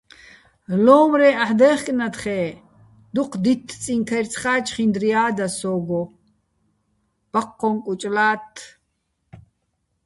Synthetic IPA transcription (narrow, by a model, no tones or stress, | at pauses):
lɔːmɾɛːaħd̪ɛːχkʼnat̪χɛː | d̪uqʰd̪it̪ʰːt͡sʼiŋkʰɐrt͡sʰχaːt͡ʃʰʼχind̪rijaːd̪asɔːɡɔ | b̥aqːɔŋkʼut͡ʃʼlaːt̪ʰː